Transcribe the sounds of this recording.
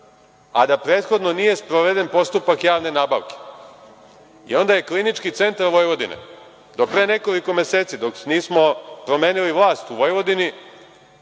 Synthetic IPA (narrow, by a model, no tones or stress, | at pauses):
a̰d̪apɾeːt̪xo̞d̪no̞nije̞spɾoʋe̞d̪enpo̞st̪upakjaːʋne̞naːba̰ʋke̥ | ḭo̞nd̪aje̞klinit͡ʃkit̪se̞nt̪aɾʋo̞jʋod̪inḛ | d̪o̞pɾe̞ːne̞ko̞liko̞mese̞ːt̪sid̪okniːsmo̞pɾo̞me̞ːniliʋlˠaːst̪uʋo̞jʋo̞d̪ini